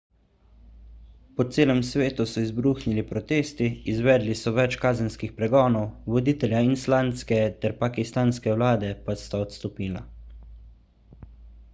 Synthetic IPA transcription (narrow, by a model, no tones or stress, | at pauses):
pɔt̪seːlɛmsʋeːt̪usɔizbɾuːxnilipɾɔt̪eːst̪iːzʋɛːd̪lisɔʋɛt͡ʃkaːzɛnskixpɾɛɡɔːnɔwʋɔd̪iːt̪ɛlʲjainslaːnt̪skɛt̪ɛɾpakist̪aːnskɛwlaːd̪ɛpast̪aɔt̪st̪ɔpiːla̰